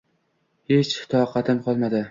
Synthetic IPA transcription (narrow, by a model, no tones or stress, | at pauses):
het͡ʃhɪ̥t̪ʰɒqʰɑt̪ʰɪmqʰɒlˠmad̪ɪ